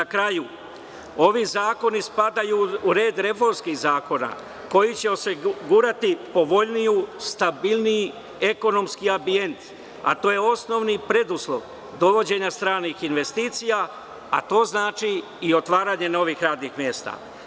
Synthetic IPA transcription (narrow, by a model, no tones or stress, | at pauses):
nakɾaju | o̞ʋizaːko̞nispad̪ajuuɾe̞ːd̪ɾe̞fo̞ɾmskiɣzaːko̞na̰ | ko̞jit͡ɕe̞o̞siɡuːɾat̪ipo̞ʋo̞ʎnijust̪abilniji | e̞ko̞no̞mskiambie̞nt̪ | a̰t̪o̞ːje̞o̞sno̞ʋnipɾe̞d̪uslˠo̞ʋ | d̪o̞ʋo̞d͡ʑe̞ɲast̪ɾaːnixinʋe̞st̪iːt̪sija | a̰t̪o̞ːznaːt͡ʃiː | o̞t̪ʋaːɾaːɲe̞no̞ʋixɾaːd̪nixmje̞ːst̪a̰ː